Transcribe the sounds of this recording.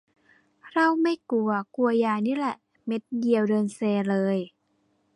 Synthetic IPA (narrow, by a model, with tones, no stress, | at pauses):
ɾa˧˥˩wma˥˩jku˧˩ɐku˧ɐjaː˧˩niː˦˥lɛ˨˩ʔ | me˦˥t̪̚di˧əwdɤː˧nseː˧lɤː˧j